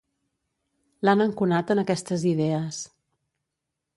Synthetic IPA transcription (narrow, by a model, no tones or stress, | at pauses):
lanəŋkunat̪ənəkɛst̪əziðɛəs